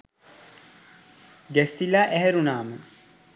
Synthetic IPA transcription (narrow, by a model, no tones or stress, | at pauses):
ɡæsːilaːʔæɦɛɾunaːmə